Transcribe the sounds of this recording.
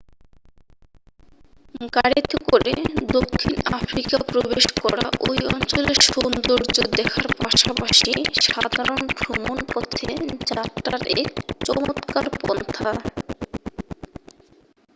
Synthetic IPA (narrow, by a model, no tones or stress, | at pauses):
ɡaɽit̪okoɾed̪okʰːinafɾikapɾobeʃkɔɾa̰ʔojɔnt͡ɕoleɾʃond̪oɾd͡ʑod̪ɛkʰaɾpaʃapaʃiʃad̪ʱaɾonbʱɾomonkot̪ʰed͡ʑatːaɾekt͡ɕɔmot̪kaɾpɔ̰nt̪ʰa